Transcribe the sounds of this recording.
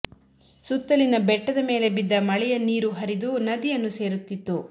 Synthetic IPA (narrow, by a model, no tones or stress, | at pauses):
sut̪ːɐlinɐbɛʈːɐd̪ɐme̞ːlebid̪ːɐmɐɭɛjɐniːɾuɦɐɾid̪unɐd̪ijɐnːuse̞ːɾut̪ːit̪ːu